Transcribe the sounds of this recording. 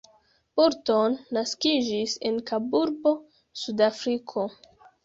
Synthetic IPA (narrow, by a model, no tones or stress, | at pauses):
buɾto̞nːaskid͡ʒise̞nkabuɾbo̞ | sudafɾikʰo̞